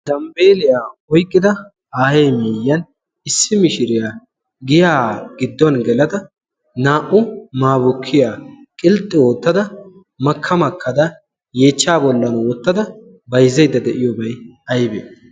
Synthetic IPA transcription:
d̪̥ɐmbeːlɪjaːɔjkʼːɪd̪ɐ | aːhejmeːjːɐn | ɪsːɪmɪʃɪɾɪja | ɡɪjaːɡ̥ɪd̪ːɔnɡɛlɐd̪ɐ | naːʔʊmaːbʊkʰːɪjaː | kʼɪlt̪ʼːɪo̞ːt̪ːɐd̪ɐ | mɐkʰːɐmɐkʰːɐd̪ɐ | je̞ːt͡ʃːaːbɔlːɐnwɔt̪ːɐd̪ɐ | bɐjzɐjd̪ːɐd̪ɛʔɪjɔbɐjɐjbḛːd̪

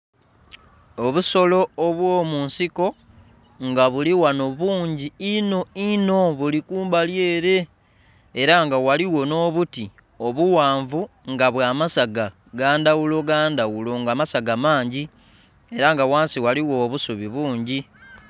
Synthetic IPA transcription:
oβuso̞lo̞ːβwoːmuːnsiko̞ | ŋɡaβuliwano̞βuːɲɟiino̞ino̞βulikuːmbalje̞ːɾe̞ː | ɾaŋɡawaliwo̞no̞ːβuti | o̞βuwaːɱvuŋɡaβwaːmasaɡa | ɡaːndawulo̞ɡaːndawulo̞ŋɡamasaɡamaːɲɟi | e̞ɾaŋɡawaːnsiwaliwo̞ːβusuβiβuːɲɟi

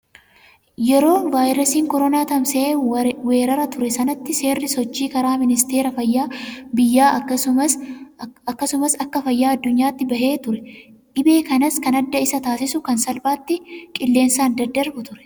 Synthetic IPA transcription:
jɛɾo̞ːvaːjɾɐsiːŋkɔɾɔnaːt̪ɐmseːwe̞ːɾɐɾɐt̪ʊɾɛsɐnɐt̪ːɪse̞ːrːɪsɔt͡ʃːiːkɐɾaːmɪnɪst̪e̞ːɾɐfɐjːaːbɪjːaːɐɐ | ɐkːɐsʊmɐsɐkːɐfɐjːaːɐd̪ːʊɲːaːt̪ːɪbɐhe̞ːt̪ʊɾɛ | ᶑɪbe̞ːkɐnɐskɐnɐd̪ːɐɪsɐt̪aːsɪsʊkɐnsɐlbaːt̪ːɪkʼɪlːe̞ːnsaːnd̪ɐd̪ːɐɾbʊt̪ʊɾɛ̥

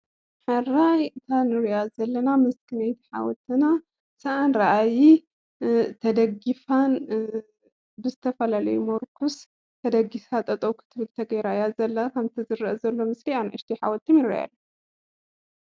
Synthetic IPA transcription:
ħɨrajt̪ʰanɨɾɐjazɐlːɐnamɨskʰɨnajt̪ʰi̥ħa̰wɔt̪ʰɨna | sɐʔanɾɐʔaji | t̪ʰɐd̪ɐɡifan | bɨzɨt̪ʰɐfɐlalɐjumoɾkʰus | t̪ʰɐd̪ɐɡisat̪ʼɐt̪ʼɐwkʰɨ̥t̪ʰɨβɨlt̪ʰɐɡɐjɾajazɐlːɐkʰɐmt̪ʰizɨɾɐʔɐzɐlːo̞mɨslianʕɨʃt̪ʰiħa̰wɔt̪ʰːimjɨɾɐja̰lːu

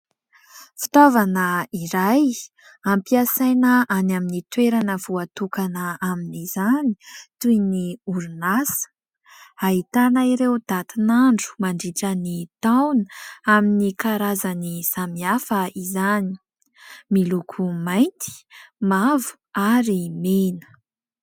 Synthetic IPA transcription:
fi̥t̪ovanəiɾaj | ampiasajnəanaminit̪weɾanəv̥uat̪ukanəaminizani̥t̪ujniuɾunasə̥ | aɦit̪anaiɾewd̪̥at̪inaɳɖ͡ʐu̥maɳɖ͡ʐiʈ͡ʂənit̪awnaminikaɾazanisamiafəizani̥ | milukʰumajnt̪i̥mavu̥ | aɾimenə̥

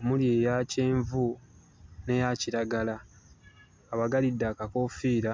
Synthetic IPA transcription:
omuljeːjace̞ːɱvu | ne̞jaciɾaɡala | βaɡalidːakako̞ːfiːɾa

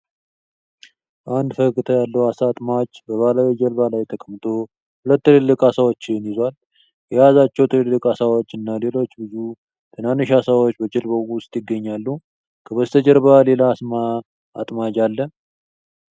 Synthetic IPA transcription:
ʔand̪fəkʼɨt̪ʰəjalːəwasat̪ʼmad͡ʒbəβalawid͡ʒəɾbalajt̪ʰəkʼəmt̪ʰo̞ | hʊlət̪ːɨlɨlːɨkʼasawot͡ʃːɪnjɪzal | jɛjazat͡ʃːɛwt̪ʰɨlɨlːɨkʼasawot͡ʃːɨnːale̞lo̞t͡ʃːbɨzu | t̪ʰɨnanːɨʃasawot͡ʃːbəd͡ʒɪlbəʊst̪ʼjɪɡːəɲːalːu | kʰəbəst̪ʰəd͡ʒəɾβale̞laːsma | at̪ʼmad͡ʒalːə

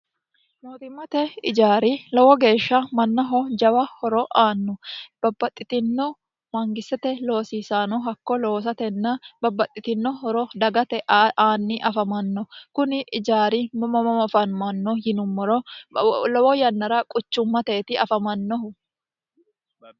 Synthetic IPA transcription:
noːt̪ɪmːɐt̪ɛɪd͡ʒaːɾilɔwɔɡe̞ːʃːɐmɐnːɐɦɔd͡ʒɐwɐhɔɾɔʔaːnːɔb̥ɐbːɐt̪ʼːɪt̪ɪnːɔ | mɐŋɡɪsɛt̪ɛlo̞ːsiːsaːnɔɦɐkːɔlo̞ːs̬ɐt̪ɛnːɐbɐbːɐt̪ʼːɪt̪ɪnːɔɦɔɾɔd̪ɐɡɐt̪ɛʔaːnːɪʔɐfɐmɐnːɔkʊnɪʔɪd͡ʒaːɾimɐmɐmɐmɐfɐnmɐnːɔjɪnʊmːɔɾɔ | lɔwɔjɐnːɐɾɐkʼʊt͡ʃːʊmːɐt̪eːt̪ɪɐfɐmɐnːɔhʊ

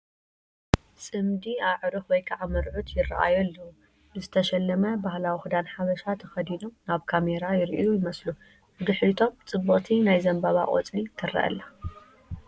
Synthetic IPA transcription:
sʼɨmd̪iaʕɾɨxwɔjkʰaʕamɨɾʕut̪ʰjɪra̰ʔa̰jolːɐu | bɨzɨt̪ʰɐʃɛlːɐmɐbahlawixud̪anħaβɐʃat̪ʰɐxɐd̪ino̞mnaβkʰameɾajɪɾʔḭujɪmɐslu | bɨd̪ɨħɾit̪ʰo̞mt͡sʼɨbːɨχʼt̪ʰinajzɐmbaβa̰kʼo̰t͡sʼlit̪ʰɨra̰ʔɐ̰lːa

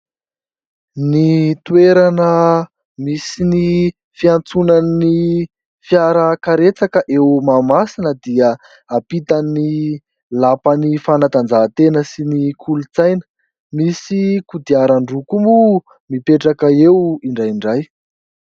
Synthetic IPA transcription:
nit̪ueɾanə | misini | fiant͡sunani | fiaɾəkaɾet͡sakəʔewmamasinəd̪iə | apit̪ani | lapanifanat̪and͡zaɦt̪enəsinikʰulut͡sajnə̥ | misikud̪iaɾaɳɖ͡ʐukumu | mipeʈ͡ʂakəewiɳɖ͡ʐajiɳɖ͡ʐaj

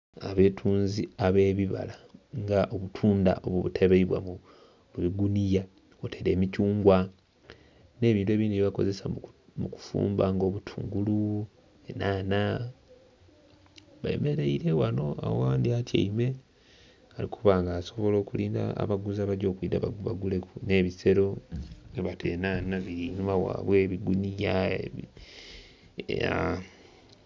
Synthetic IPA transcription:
aβe̞ːtʰuːnziaβe̞ːβiβa̰laŋɡaʔoβutʰuːnda̰ʔo̞̰βwoβutʰeβeiβwa̰mu | lwiɡunija | otʰeɾe̞ːmicuːŋɡwa | ne̞ːβiːntwe̞ːβiːnduβiβako̞̰ze̞samuku̥fṵːmbaŋɡo̞ːβutʰuːŋɡulu | enaːna | βa̰ḛmeɾe̞iɾe̞wano̞a̰wowaːndiata̰ime̞ | alikʰuβaːŋɡaːso̞βo̞lo̞ːkuliːnda̰ːβaɡuzaβaɾɟo̞ːkwiːda̰βaɡule̞kune̞βise̞ɾo̞eβatʰenaːnaβiɾinumawa̰ːβwe̞ːβiɡunijae | a

